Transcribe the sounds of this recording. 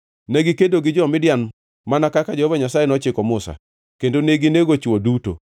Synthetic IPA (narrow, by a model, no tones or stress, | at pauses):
nɛɡɪkedoɡɪd͡ʒɔmɪdjan | manakakad͡ʒɔhvɔɲasajenɔt͡ʃɪkɔmʊsa̰ | kendoneɡineɡot͡ʃwoduto̰